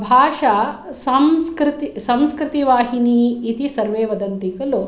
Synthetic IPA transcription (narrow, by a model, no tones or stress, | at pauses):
bʱaːʂɐsɐmskɾit̪isɐmskɾɪt̪iʋaːɦiniːt̪isɐɾʋeːʋɐd̪ɐnt̪ikɐlu